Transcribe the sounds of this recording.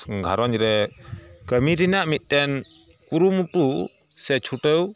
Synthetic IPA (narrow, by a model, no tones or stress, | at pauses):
ɡʱaɾɔɲɾɛ | kəmiɾinaʔmit̪̚tɛn | kuɾumutusɛt͡ʃʰuʈəw